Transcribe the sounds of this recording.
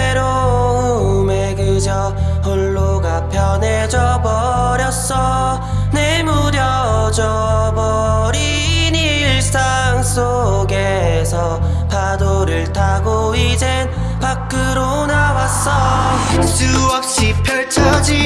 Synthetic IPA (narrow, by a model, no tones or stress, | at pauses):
ɾo | meɡɯd͡ʑʌ | hoɭːoɡapʰjʌned͡ʑʌbʌ | ɾjʌs͈ʌ | nemuɾjʌ | d͡ʑʌbʌɾi | ni | ɭs͈a | ŋs͈ʰoɡesʰʌ | pʰadoɾɯɭtʰaɡo | id͡ʑen | pak̚k͈ɯɾo | nawas͈ʌsuʌp̚ɕ͈ipʰjʌɭt͡ɕʰʌd͡ʑi